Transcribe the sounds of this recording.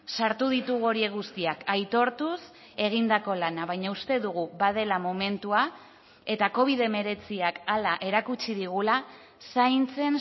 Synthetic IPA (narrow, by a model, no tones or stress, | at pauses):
saɾt̪uðit̪uɣo̞ɾie̞ɣust̪iakajt̪o̞ɾt̪us | e̞ɣind̪ako̞lanaβajɲaust̪e̞ðuɣ̞uβað̞e̞lamo̞me̞nt̪ua | e̞t̪ako̞β̞iðe̞me̞ɾe̞t͡siakalaʔe̞ɾakut͡ʃiðiɣula | sajnt͡se̞n